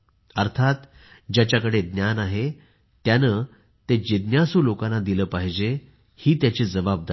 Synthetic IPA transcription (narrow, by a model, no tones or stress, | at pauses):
əɾt̪ʰat̪ | d͡ʑjat͡ɕjakəɽed̪njanaɦe | t̪janəː | t̪ed͡ʑid̪njasuːlokãnːad̪iləːpaɦid͡ʑe | hiːt̪jat͡ɕiːd͡zəʋab̚d̪a